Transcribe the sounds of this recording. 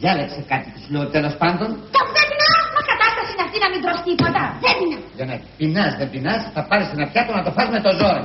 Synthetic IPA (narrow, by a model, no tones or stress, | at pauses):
jɐlɐkse̞kɐt̪it̪esuleot̪elo̞spɐnd̪o̞nt̪opuθetinɐesumɐskɐt̪ɐst̪ɐsinɐft̪inɐmind̪ɾost̪ipot̪ɐðenineʝɐnɐpinɐzðembinɐsθɐpɐɾest̪enɐpçɐt̪onɐt̪o̞fɐzme̞t̪o̞zo̞ɾo